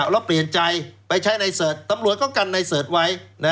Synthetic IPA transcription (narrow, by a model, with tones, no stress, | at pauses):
wlɛː˦˥˩wpli˨˩ənt͡ɕa˧jpa˧jt͡ɕʰa˦˥jna˧jsɤː˨˩t̪̚ːa˧mɾu˨˩ət̪̚kɔ˥˩ka˧nːa˧jsɤː˨˩t̪̚wa˦˥jna˦˥